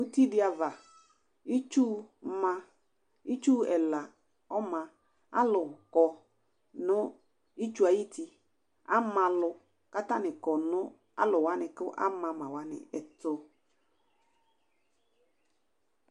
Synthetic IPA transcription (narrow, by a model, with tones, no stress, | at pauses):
u˦ti˦dɪ˦a˨va˨ | i˦t͡ʃu˦mã˦ | i˦t͡ʃu˦ɛ˨la˨ | ɔ˦mã˨ | a̰˦lʊ˨kɔ˨ | nʊ˦ | i˦t͡ʃu˦a˨ji˦ti˦ | a̰˦mã˨lʊ˨ | ka˦ta˦nɪ˨kɔ˨nʊ̃˦ | a̰˦lʊ˨wa˦nɪ˨kʊ˦ʔa̰˦mã˨mã˨wa˦nɪ̰˨ɛ˨tʊ˦